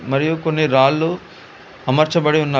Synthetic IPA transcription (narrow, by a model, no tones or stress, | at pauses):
mɐɾijukonːiɾaːlːu | ɐmɐɾt͡ʃɐbɐɽiunːaː